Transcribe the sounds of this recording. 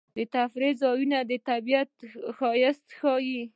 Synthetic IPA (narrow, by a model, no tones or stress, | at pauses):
d̪ət̪afɾezɑjunad̪ət̪abijat̪xɑjɪst̪xɑji